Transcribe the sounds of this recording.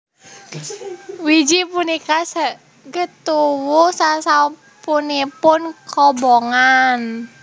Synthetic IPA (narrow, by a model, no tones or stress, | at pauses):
wid͡ʒipunikasə | ɡət̪uwusasa | punipʊnkɔbɔŋan